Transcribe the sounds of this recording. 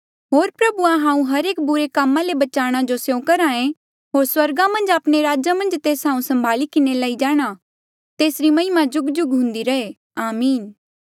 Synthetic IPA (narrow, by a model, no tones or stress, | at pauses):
ɦoːɾpɾɐbuãɦãːũɦɐɾeːk̚bʊɾekaːmãlebɐt͡ʃaːɽ̃ad͡ʒosjõkɐɾaːẽ | ɦoːɾswɐɾɡãmɐ̃nd͡ʒaːpɽ̃eɾaːd͡ʒamɐ̃nd͡ʒt̪eːsɦãːũsɐ̃mbʱaːlikɪnelaːid͡ʒaːɽ̃a | t̪eːsɾimɐ̃ɪmãd͡ʒʊɡd͡ʒʊɡɦʊ̃nd̪iɾɐe | aːmiːn